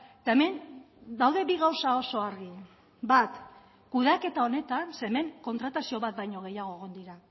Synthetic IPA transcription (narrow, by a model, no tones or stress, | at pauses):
et̪aeme̞n | d̪awðe̞biɣawsao̞so̞aɾɣi | bat̪ | kuðake̞t̪ao̞ne̞t̪anse̞me̞ŋko̞nt̪ɾat̪asio̞βat̪̚bajɲo̞ɣ̞e̞jaɣ̞o̞eɣ̞ond̪iɾa